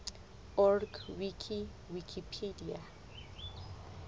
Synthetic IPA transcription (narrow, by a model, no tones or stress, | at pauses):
ɔrɡwikʰi | wikʰipʰedia̰